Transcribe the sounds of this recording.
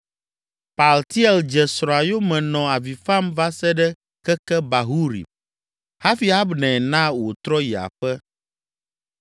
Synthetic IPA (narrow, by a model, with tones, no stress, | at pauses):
pa˨lt̪i˦ɛ˨ld͡ʒɛ˨sɾa˨jo˦mɛ̃˨nɔ̃˨a˨vi˨fa˦mva˦sɛ˦ɖɛ˦ | kɛ˦kɛ˦ba˨ɦu˦ɾḭ˨ | ha˦fi˨a˦bnɛ̃˨nã˦wo˨t̪ɾɔ˦ji˨a̰˨ɸɛ˦